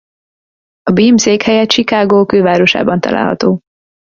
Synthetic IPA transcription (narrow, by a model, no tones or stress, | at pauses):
ɒbiːmseːkhɛjɛt̪ʃikaːɡoːkøːvaːɾo̞ʃa̰ːbɒnt̪ɒ̰la̰ːlɦɒ̰t̪oː